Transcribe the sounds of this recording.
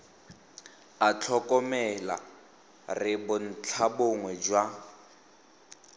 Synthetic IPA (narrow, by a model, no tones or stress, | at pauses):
at͡ɬʰɔkʼɔmɛla̰ | rɪbʊn̩t͡ɬʰaboŋwɛd͡ʒwa